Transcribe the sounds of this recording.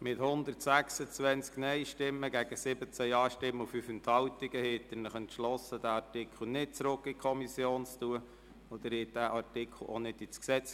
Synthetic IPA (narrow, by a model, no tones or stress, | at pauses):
mɪt̪hʊnd̪əɾtsæksət͡sʋɛnt͡sknɛɪʃtɪmːəɡæɡ̥əsɪbət͡sæjɑːʃtɪmːəufyfənt̪hɑltiɡ̥əhet̪ːənəχɛnt̪ʃlɔsəd̥æɑrtɪkʰl̩ˠnɪt̚t͡sɾʊkːikʰɔmisjoːnt͡stuə | ɔd̪əɾɪd̥æʔɑɾtɪkʰl̩ˠonɪdit͡sksɛt͡s